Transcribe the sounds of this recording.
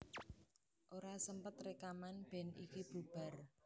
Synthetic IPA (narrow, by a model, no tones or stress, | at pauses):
ʔoɾasəmpət̪rekamanb̥ɛ̤nḭkib̥ub̥a̤r